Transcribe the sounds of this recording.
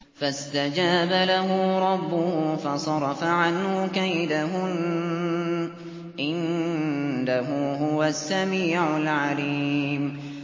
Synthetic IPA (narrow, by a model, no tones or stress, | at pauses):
fast̪ad͡ʒaːbalaɦʊɾˤɑbːʊhʊfɑsˤɑɾˤɑfaʕanhʊkajd̪aɦʊn | ʔɪn | d̪aɦʊːɦʊwasːamiːʕʊlʕaliːm